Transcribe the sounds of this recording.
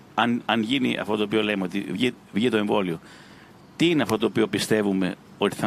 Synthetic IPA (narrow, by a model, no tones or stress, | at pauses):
ɐnɐnʝinḭʔɐ̰ft̪ot̪oːpiolejmeo̞t̪ḭvʝi | vʝit̪o̞e̞ɱvo̞lio̞ | t̪iineɐft̪o̞t̪oːpio̞pist̪e̞vume̞ | o̞t̪i̥θɐ